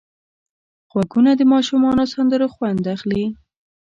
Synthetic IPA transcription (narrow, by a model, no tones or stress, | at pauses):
ɣwaɡunad̪əmɑʃumɑnosand̪əɾoxwand̪axli